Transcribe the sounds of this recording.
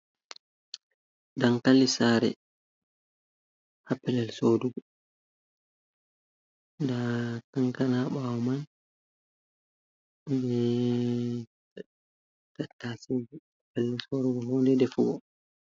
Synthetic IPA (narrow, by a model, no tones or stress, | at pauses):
daŋkalːisaːɾɛ̰ | hapːɛlɛlsoduɡɔ | dakaŋkanaɓawɔman | bɛ | tatːasid͡ʒihapːɛlɛlsoːduɡɔhɔːndɛdɛfuɡɔ